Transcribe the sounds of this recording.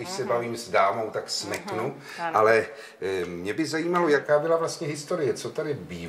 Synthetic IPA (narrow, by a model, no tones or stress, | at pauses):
ɪʃsɛbaviːmzdaːmo̞wt̪aksmɛknu | ʔalɛ | mɲɛbɪzajiːmalojakaːbɪlavlast̪ɲɛɦɪst̪o̞ɾɪjɛt͡so̞t̪adɪbiː